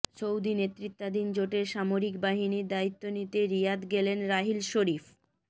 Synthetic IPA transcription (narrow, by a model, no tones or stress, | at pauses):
t͡ɕowd̪inet̪ːɾit̪ːad̪ind͡ʑoʈeɾʃamoɾikbaɦiniɾd̪ait̪ːonit̪eɾijad̪ɡelenɾaɦilʃoɾif